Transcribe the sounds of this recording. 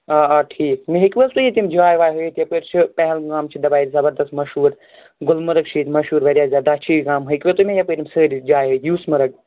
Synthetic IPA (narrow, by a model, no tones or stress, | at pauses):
aːaːʈʰiːkmiɦikʲʋelt̪ujit̪imd͡ʒaːjʋaːjɦoit̪jɐpɨːɾt͡ʃʰipɛɦɛlɡaːmt͡ʃʰid̪ɐbaːiɾʲzɐbɐɾd̪ɐst̪mɐʃɦuːɾ | ɡʊlmɐɾɐkt͡ʃʰit̪mɐʃuːɾʋɐɾjaːzʲaːd̪aːt͡ʃʰiɡaːmɦikʋet̪umʲejɐpɨɾʲimsəːɾʲd͡ʒaːjɦojuːsmɐɾɐk̚